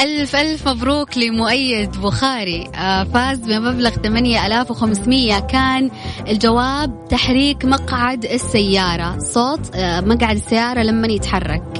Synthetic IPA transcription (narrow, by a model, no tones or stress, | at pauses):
ʔalfʔalfmabɾuːklɪmʊʔajːɪd̪bʊxaːɾifaːzbɪmablaɣt̪amanjaʔalaːfwxamsmɪjːakaːnɪld͡ʒawaːb̚t̪aħɾiːkmɑɡʕad̪ɪsːajːɑːɾˤɑsˤoːt̪ˤmaɡʕad̪ɪsːajːɑːɾˤɑlamːanjɪt̪ħɑrˤːɑ̰k̚